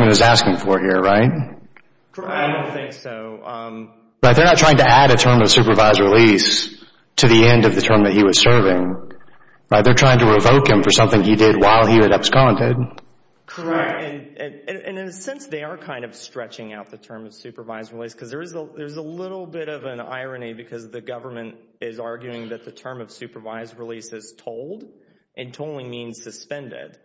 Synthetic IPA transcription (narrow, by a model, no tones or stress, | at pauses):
ɨ̃nɨzæskɪ̃ŋfə˞hiɹɹaɪt̚ʰ | ɪdõʊ̃nθɪ̃ŋksoʊʌ̃m | ɹaɪt̪̚ðə˞nətʰɹ̥aɪɪ̃ŋtɨæɾɨtʰɜ̃˞mʌv̥sʉpə˞vaɪzɹilis | tʰɨðiɛ̃ndʌvðɨtʰɜ̃˞mðɨt̚hiwʌz̥sɜ˞vɪ̃ŋ | ɹaɪt̪̚ðə˞tʰɹ̥aɪɪ̃ŋtʰəɹɪvoʊkhɨ̃ɱfə˞sʌ̃mθɪ̃ŋidɪd̚waɪlˠiɨɾʌpskɑ̃ndɪd̥̚ | kʰə˞ɛk̚tɨ̃nɨ̃nɨ̃nʔɨ̃nɨ̃nɨsɛ̃nsðeɪə˞kʰãɪ̃ndʌv̥stɹ̥ɛt͡ʃɪ̃ŋaʊt̪̚ðɨtʰɜ̃˞mʌv̥sʉpə˞vaɪzɹɪliskʰʌzðə˞zəðə˞zəlɪɾl̩ˠbɪɾʌvə̃na̰ɪɹɨnibɨkʰʌzðɨɡʌvə˞mɨ̃nt | ɪzɑɹɡjʉɪ̃ŋðɨt̪̚ðɨtʰɜ̃˞mʌv̥sʉpə˞vaɪzɹɪlisɨz̥tʰoʊlˠd | ʔɨ̃ntʰoʊlˠɪ̃mĩnz̥sɨspɛ̃ndɪ̰d̥